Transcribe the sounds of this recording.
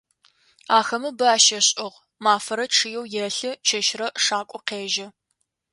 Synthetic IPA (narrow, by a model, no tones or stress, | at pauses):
aːxɐmɨbɨaːʃɐɕʼɪʁ | maːfɐɾɐʈ͡ʂʰɨjɛwjɛɬɨt͡ʃʰɐʃrɐʂaːkʷʼɔqeːʒɐ